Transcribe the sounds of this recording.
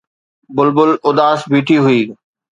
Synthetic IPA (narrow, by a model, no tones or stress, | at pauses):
bʊlbʊlʊd̪aːsbiːʈʰiɦʊiː